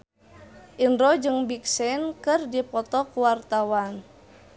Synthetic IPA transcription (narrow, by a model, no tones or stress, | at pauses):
ʔinɾɔd͡ʒɨŋbiksɛnkɨrdipɔt̪ɔkuwart̪awan